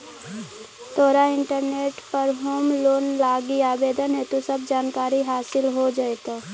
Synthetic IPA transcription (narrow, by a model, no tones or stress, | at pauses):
t̪ʰoːɾaɪ̃ɳʈəɾneːʈpəɾɦoːmloːnlaːɡiaːbeːd̪ənɦɛt̪osəb̚d͡ʒaːnkaːɾiɦaːsɪlɦod͡ʒaet̪o